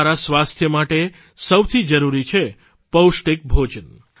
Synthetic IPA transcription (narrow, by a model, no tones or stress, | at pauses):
ɾasʋast̪ʰjəmaʈe | səwt̪ʰid͡ʒəɾuɾit͡ʃʰe | pəwʃʈek̚bʱod͡ʒən